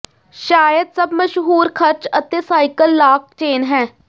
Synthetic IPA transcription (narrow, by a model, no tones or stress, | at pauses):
ʃaːjəd̪səbməʃɦuːɾkʰəɾt͡ʃət̪eːsaːɪkəlːaːk̚ʈeːnɦɛː